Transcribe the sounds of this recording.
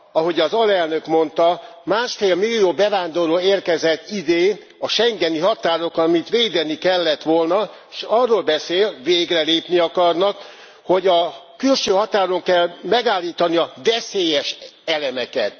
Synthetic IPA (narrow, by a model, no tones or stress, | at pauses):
ɒɦo̞ɟɒzɒlɛlnøkmo̞nt̪ɒ | maːʃfeːlmilːioːbɛvaːnd̪o̞ɾoːeːrkɛzɛt̪ːid̪eː | ɒʃɛŋɡɛniɦɒt̪aːɾo̞kɒmit̪ʋeːd̪ɛnikɛlːɛt̪ʋo̞lnɒ | eʃɒrːoːlbɛseːlveːɡrɛleːpniɒkɒrnɒk | ho̞ɟɒ | kylʃøːɦɒt̪aːɾo̞ŋkɛlmɛɡaːlːiːt̪ɒniɒdɛseːjɛʃɛlɛmɛkɛt̪